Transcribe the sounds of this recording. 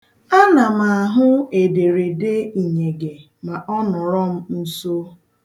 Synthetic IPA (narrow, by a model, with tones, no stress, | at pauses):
a˦na˨ma˨ɦʊ˦e˨de˨ɾe˨de˦i˨ɲe˨ɡe˨ | ma˨ʔɔ˦nʊ˨ɾɔ˦m̩˦n̩˦so˦